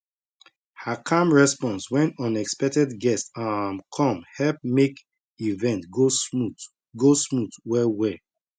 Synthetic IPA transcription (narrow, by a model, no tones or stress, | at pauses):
hakʰãmɹɛspɔ̃nswɛ̃nɔ̃nɛkspɛk̚tɛdɡɛstãmkʰɔ̃mhɛlp̚mek | ivɛ̃ntɡou | ɡosmutwɛwɛ